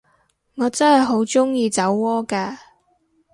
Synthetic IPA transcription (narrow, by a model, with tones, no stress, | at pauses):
ŋɔː˨˧t͡sɐ˥nhɐ˨jɦo˨˥wt͡sʊ˥ŋjiː˧t͡sɐ˨˥wːɔː˥kaː˧